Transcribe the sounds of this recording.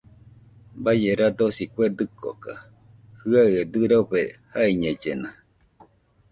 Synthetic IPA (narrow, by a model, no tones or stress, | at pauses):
bajeɾad̪osikʷed̪ɨkʰo̰ka | hɯaed̪ɨɾaupehaiɲed͡ʒena